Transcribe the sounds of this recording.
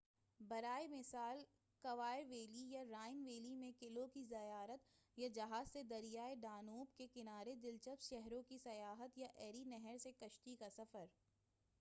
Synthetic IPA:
bɐɾaːemɪsaːl | kɐʋaːɪɾʋeːlijaɾaːɪnʋeːlimẽkɪlõkizɐjaːɾət̪ | jad͡ʒɐɦaːzsed̪ɐɾijaːeɖaːnoːbkekɪnaːɾed̪ɪlt͡ʃəpʃɛɦɾõkisɐjaːɦət̪jaʔɛːɾinɛɦɛɾsekɐʃʈ̪ikasɐfəɾ

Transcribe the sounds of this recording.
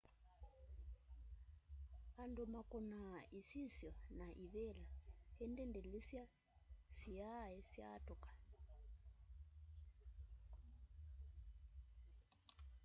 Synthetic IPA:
andumakʼunaisisjɔnaʔiβɛlahɛndɛndɛlesja | sijajɛsja̰tʼukʼḁ

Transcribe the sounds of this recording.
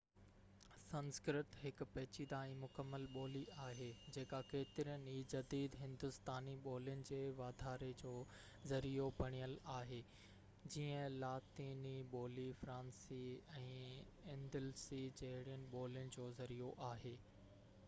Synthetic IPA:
sɐ̃nskɾɪt̪ɦɪk̆pɛːt͡ɕid̪aːĩmʊkəmːəlɓoːliaːɦeːd͡ʑeːkakeːt̪ɪɾijənɪ̆iːd͡ʑɐd̪iːd̪ɦɪ̃nd̪ʊst̪aːniɓoːlijənɪ̆d͡ʑeːʋaːd̪ʱaːɾed͡ʑoː | zɐɾijobʱɐɽ̃ijəlaːɦeː | d͡ʑiːə̃laːt̪iːniɓoːlifɾãːnsiɛ̃ː | ɪ̃nd̪ɪlsid͡ʑɐɦɪɽijənɪ̆ɓoːlijənɪ̆d͡ʑoːzɐɾijoʔaːɦeː

